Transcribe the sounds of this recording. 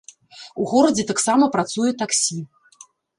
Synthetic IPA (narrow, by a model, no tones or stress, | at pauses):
uɣɔɾɐd͡zʲɛt̪aksamɐpɾat̪sujɛt̪aksʲi